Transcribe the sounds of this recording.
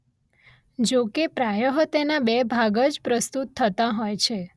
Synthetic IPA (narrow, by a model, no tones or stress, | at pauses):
d͡ʒokepɾajəɦət̪enabɛbʱaɡəd͡ʒpɾəst̪ut̪ʰːət̪aɦɔjt͡ʃʰe